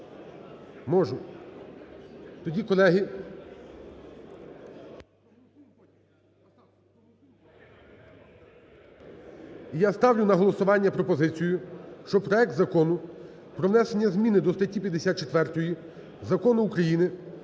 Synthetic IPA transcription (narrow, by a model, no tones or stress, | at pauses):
mɔʒʊ | t̪ɔdʲikɔlˠɛɦi | ijast̪ɑwlʲʊnɐɦɔlˠɔsʊʋɑnʲːɐpɾɔpɔzɪt͡sʲijʊʃt͡ʃɔpɾɔɛk̚t̪zɐkɔnʊpɾɔʋnɛsenʲːɐzmʲinɪd̪ɔst̪ɐtʲːipʲjɐd̪esʲat̪̚t͡ʃet̪ʋɛrt̪ɔji | zɐkɔnʊukɾɐjinɪ